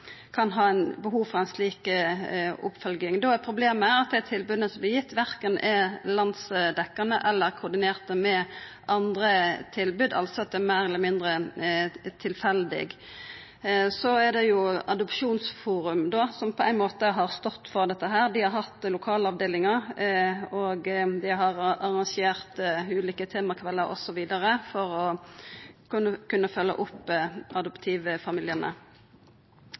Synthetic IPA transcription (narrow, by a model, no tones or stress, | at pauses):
kʰɑnɦɑːæɪnbəɦuːʋfɾʁɑæɪnsliːk | ʊ̰pfœlɡɪŋd̪oɛpʰɾʊbleːməæɾɑt̪̚d̪æt̪ʰɪlbʉːd̪ənəsɔmblɪjɪt̪ːʋæɾkənʔɛlɑnd̪sd̪ɛkːənəʔɛlːəɾkʰʊːʁd̪ɪneːʁt̪əmɛ | ʔɑnd̪ɾət̪ʰɪlbʉːd̪ɑ̰lt̪sɔɑt̪̚d̪ɛæmeːɾɛləmɪnd̪ɾə | t̪ʰɪlfɛld̪ɪ̰ɡ | sɔɛd̪ɛjʊɑd̪ɔpʃuːnsfuːɾʉmd̪oːsɔmpʰɔæɪnmoːt̪əɦɑʁst̪ɔt̪ːfɔʁd̪ɛt̪ːəɦæːɾd̪ɪhɑɾɦɑt̪ːlʊkʰɑːləɑʋd̪eːlɪŋɑɾ | ɔɡd̪ɪɦɑʁɑʁɑŋʃeːʁt̪ʉːliːkət̪ʰeːmɑkʰʋɛlːəɾʔɔ̰sɔʋiːd̪ɑɾəfɔʁɔ | knəkʉnːəfœlːə̰ʔʊpːʔɑd̪ɔpt̪ʰiːʋəfɑmɪlɪənə̰